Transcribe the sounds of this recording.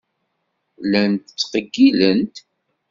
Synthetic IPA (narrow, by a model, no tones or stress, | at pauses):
lænt̪ət͡sːqəɡːilənt̪